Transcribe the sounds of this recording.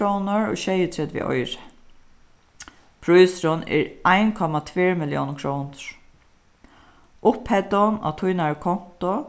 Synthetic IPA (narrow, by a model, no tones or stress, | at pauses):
ownəɹɔ̰ʃɛjət̪ʰɾɛt̪vɪ̰ʔɔ̰jɾɪ | pʰɾujsɾʊnɛ̰ɹajnkʰɔmat̪ʰveːɹmɪljo̰ːwnkʰɹownɹ̥ | ʔʊphɛt̪ɔna̰t̪ʰujnakʰɔn̥t̪ʊ